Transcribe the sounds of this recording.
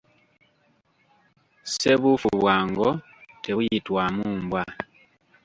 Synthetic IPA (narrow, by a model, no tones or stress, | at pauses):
seβufuβwaːŋɡo | teβujitwamuːmbwa